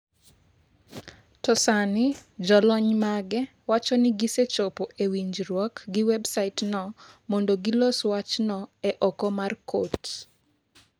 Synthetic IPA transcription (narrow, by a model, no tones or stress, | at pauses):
tɔsanid͡ʒɔlɔɲmaɡɛ | wat͡ʃɔnɪɡiset͡ʃopoʔewiɲd͡ʒɾwɔkɡɪwɛbsaɪtnɔmɔndoɡiloswat͡ʃnɔɛʔɔkɔmarkot